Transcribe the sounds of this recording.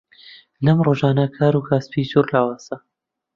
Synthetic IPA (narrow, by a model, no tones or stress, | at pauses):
lɐmroːʒaːnɐkʰaːɾukʰaːspizuːɾlaːwaːz̥ɐ